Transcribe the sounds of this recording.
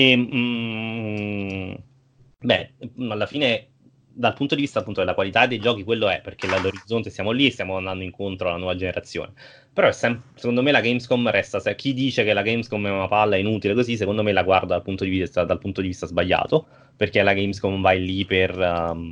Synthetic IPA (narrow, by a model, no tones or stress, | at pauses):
e | bɛalːafiːne | d̪alpunt̪od̪ivist̪apːunt̪od̪elakwalit̪ad̪ːejd͡ʒɔːk̟ikwelːoɛpːerk̟elalːoɾid̪zːont̪esjaːmoliest̪jaːmoand̪and̪oiŋkont̪ɾoalanwɔːvad͡ʒeneɾʔat̪sːjo̰ːne | peɾɔɛsːɛmsekond̪omelaɡejmskɔmrɛst̪asɛk̟ʰid̪ːiːt͡ʃekelaɡejmskɔmɛunapalːaɛinut̪ilekozis̬ːekond̪omelaɡward̪ad̪alpunt̪od̪ivist̪ad̪alpunt̪od̪ivist̪azbaʎːa̰ːt̪o | perkelaɡejmskɔmvajlːiper